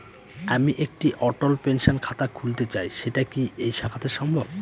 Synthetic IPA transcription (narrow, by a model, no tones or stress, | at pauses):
amiʔek̚ʈiʔɔʈolpenʃonkʰat̪akʰult̪et͡ɕajʃeʈakiejʃakʰat̪eɾʃɔmbʱob